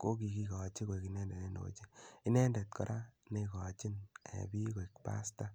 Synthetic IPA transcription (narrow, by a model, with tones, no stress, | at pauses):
ko˦ki˨ki˦kɔ˨t͡ʃi˦ko˨i˨ki˨nɛ˦nde˨ne˦no̰˨t͡ʃi˦i˦nɛ˦ndɛ˨t̚kɔ̰˨ɾʔa˦ne˧kɔ˨t͡ʃi˦nḛ˨bi˦ko˨i˨kpa̰˦sta˦